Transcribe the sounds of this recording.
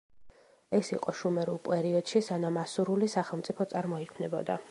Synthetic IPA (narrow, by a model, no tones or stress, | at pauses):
ɛsiqʼɔʃumɛɾulˠpʼɛɾiɔd̪̥ʃisanamasuɾulisaχɛlˠmt̪sʼipʰɔt̪sʼaɾmɔikʰmnɛbɔ̰d̪a